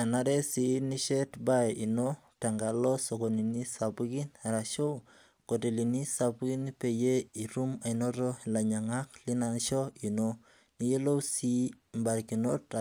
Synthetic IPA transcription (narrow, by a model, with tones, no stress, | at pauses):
a˨naɾe˦si˨ni˦ʃe˦tba˦ji˨no | ta˨ŋɡalɔ˦so˨koni˨ni˦sa˨pu˦ki˦naɾaʃo˦w | ko˨te˨li˨ni˦sapuki˦npe˨je˦i˨ɾu˦ma˨ino˦ɾo˦la˨ɲa˨ŋa˦kli˦nanʃɔ˦i˨no | ni˨je˦lo˦wsi˦ | mba˨ɾki˨no˦ta